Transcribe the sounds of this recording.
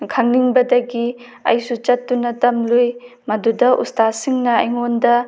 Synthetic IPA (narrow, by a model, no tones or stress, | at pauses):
kʰɐŋniŋbɐdɐɡi | ɐ̰jsut͡ʃɐtːunɐtɐmluj | mɐdudɐʔṵstasiŋnɐɐ̰jŋondɐ